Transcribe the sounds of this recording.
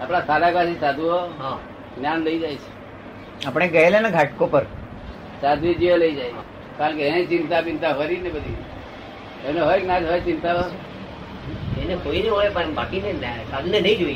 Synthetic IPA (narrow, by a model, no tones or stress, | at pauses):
apɽ̃asʰaɾakasisad̪ʱuɦoɦã | njanləid͡ʒajt͡ʃʰe̥ | apɽ̃eɡəeleneɡʱaʈ̚kopəɾ | sad̪ʱid͡ʒieləid͡ʒaj | kaɾəɳkeɛ̃t͡ʃɪnt̪apɪnt̪aɦɔɾinebəd̪ʱi | eneɦoeknat̪ɦojt͡ʃɪnt̪aɦo | enekoineɦoepəbakinensad̪ʱunenəĩd͡ʒoi